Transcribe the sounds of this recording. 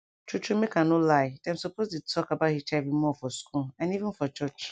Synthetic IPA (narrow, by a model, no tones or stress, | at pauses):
tʰut͡ʃumekʰãnolaɪdãmsɔpʰoztutʰɔkabaʊthit͡ʃavimɔfɔskulãnivɪ̃nfɔt͡ʃɔt͡ʃ